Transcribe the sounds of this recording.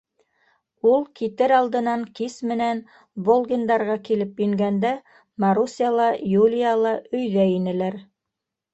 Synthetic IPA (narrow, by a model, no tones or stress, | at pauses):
ulˠkit̪ɘɾɑlˠd̪ɤ̆nɑŋkismɘ̆næn | bolˠɡʲind̪ɑɾʁɑkilɘpjɵ̆ŋɡænd̪æ | mɑɾusʲijalˠɑjulʲijalˠɑʔɵ̆jðæinɘ̆læɾ